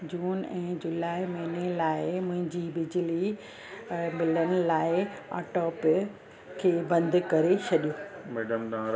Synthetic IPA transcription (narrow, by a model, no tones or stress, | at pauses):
d͡ʑuːnɛ̃ːd͡ʑʊlaːɪmɐɦɪnelaːɪmʊ̃ɦɪ̃ɲd͡ʑibɪd͡ʑɪli | mɪlənɪ̆laːɪ | a̰ːʈɔːp | kʰeːbɐ̃nd̪ʱkɐɾet͡ɕʰɐɗijõːmeːɖəmt̪ã